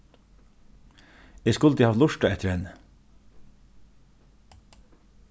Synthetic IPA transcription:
eːskʉlt̪ʰihɑːʋ̪lʊʃʈɑɛt̪ʰəɾhɛnə

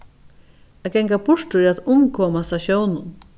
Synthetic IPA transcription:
aɡɛŋkapʊʂt̪ʊɾaðʊmkʰɔːmast̪aɕjownʊn

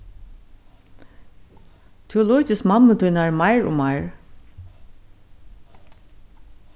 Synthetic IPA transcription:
t̪ʰeʊlɔːcɪskmamət̪ʰuːnaɹmaɪɹʊ̰mːaɪɹ

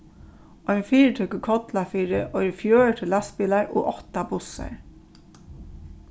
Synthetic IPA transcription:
ɔjnfiːɹət̪ʰœkəkʰɔt̪lafiːɹɪʔɔʏɾɪfjøːɻʈ̪ʰɪlːaspɪlaɹʔo̰ːʔɔht̪abʊsa̰ɹ

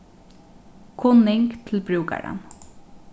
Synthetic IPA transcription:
kʰʊnɪŋkt̪ʰɪlbɾʉːka̰ɹa̰n

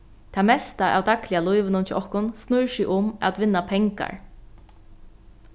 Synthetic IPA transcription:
t̪ʰamɛst̪aʔa̰wd̪aklɪalʊjʋɪnʊnt͡ʃʰɪʔɔhkʊnsnʊɻʃɪʔʊma̰t̪ʋɪnːapʰɛŋka̰ɹ

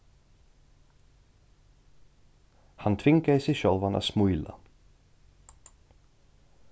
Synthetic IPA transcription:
hant̪ʰvɪŋkasɪɕœlvana̰t̪smujla̰

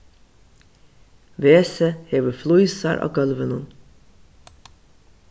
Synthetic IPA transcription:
ʋeːsəheːʋəfluʏsaɾʔɑ̰ːɡœlʋənun

